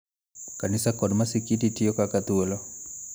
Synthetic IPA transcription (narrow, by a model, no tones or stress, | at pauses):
kanɪsakɔdmasikititiokakat̪wolo